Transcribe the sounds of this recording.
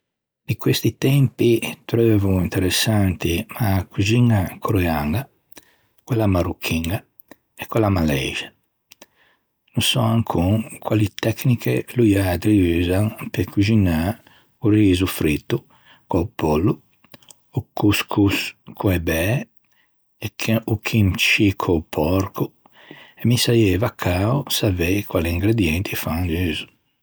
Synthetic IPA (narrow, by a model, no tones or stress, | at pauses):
d̪ikwest̪it̪ɛmpit̪ɾøːvuint̪ɛɾɛsːant̪imakuziŋakuɾɛaŋɡa | kwɛlamaɾukʰːiŋɡa | ɛkːwɛlamalɛ̰ʒa | nusɔaŋkʰuŋkʰwalit̪ɛknikʰɛlujad̪ɾiyːzaŋpekʰud͡ʒina | uriːzufɾit̪ːu | kwaupolːu | ukuskʰuskuɛbɛ | ɛkʰukʰimt͡ʃikʰupʰɔɾkʰu | ɛmisajɛvakʰːaɔsavekwaliiŋɡɾed̪jɛnt̪ʰifaŋd͡ʒyːzu̥